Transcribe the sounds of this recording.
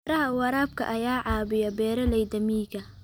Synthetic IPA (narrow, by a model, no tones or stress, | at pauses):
ɾɐɦɐwɑɾaːb̚kʰɐ̰ʔɐjaːʕɑːβɪjɐbɛːɾɐlɛjd̪ɐmiːɡɐ